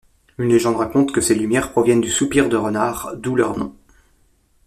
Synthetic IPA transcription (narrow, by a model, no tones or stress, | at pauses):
ynleʒɑ̃d̪ʁakɔ̃t̪kəselymjɛʁpχɔvjɛnd̪ysupiʁd̪əʁənaʁd̪ulœ̰ʁnɔ̰̃